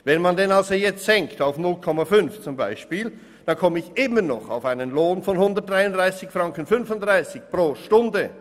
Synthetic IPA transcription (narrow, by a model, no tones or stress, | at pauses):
vɛnmandɛnalzojɛt͡stz̥ɛŋktaʊfnʊlkʰɔmafʏnft͡sʊmba̰ɪʃpiːl | d̥ankʰɔməɪçʔɪmənɔ̰χa̰ʊfaɪnənloːnfɔnhʊndət̚d̥ʁaɪʊndʁaɪsɪçfraŋkənfʏnfʊntdʁaɪsɪçpʁoːʃtʊndə